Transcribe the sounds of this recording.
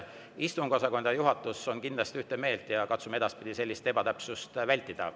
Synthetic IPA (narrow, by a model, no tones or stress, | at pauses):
ist̪uŋkosɑko̞nd̪ɑjuɦɑt̪ːˑuso̞nkind̪lɑst̪iyht̪e̞me̞ːlt̪ˑjɑkɑt̪sumɑe̞d̪ɑspid̪̥ise̞lːist̪e̞b̥ɑt̪æpsust̪vælʲt̪ˑːid̪̥ɑ̰